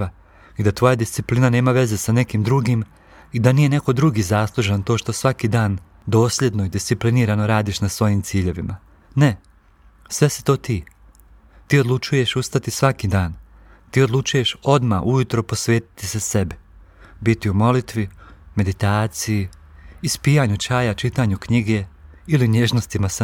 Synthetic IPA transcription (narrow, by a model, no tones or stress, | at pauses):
a | id̪at̪ʋo̞jad̪ist̪iplinane̞ːmaʋe̞ze̞sane̞kiːmd̪ɾuɡim | id̪anije̞ne̞ko̞d̪ɾuɡiːzaslˠuʒant̪o̞ːʃt̪o̞sʋakiːd̪aːn | d̪o̞ːslʎe̞d̪no̞id̪ist̪sipliniːɾano̞ɾaːd̪iːʃnasʋo̞jimt̪siːʎe̞ʋima | ne̞ | sʋe̞si̥t̪o̞ːt̪iː | t̪iːo̞d̪lˠut͡ʃuje̞ʃust̪at̪isʋakiːd̪aːn | t̪iːo̞d̪lˠut͡ʃuje̞ʃo̞d̪maʔujut̪ɾo̞po̞sʋe̞ːt̪i̥t̪isesebi | bit̪iumo̞lit̪ʋime̞d̪it̪aːt̪sijiː | spijaɲut͡ʃaːjat͡ʃit̪aːɲukɲiɡe̞ | iliɲeʒno̞st̪imas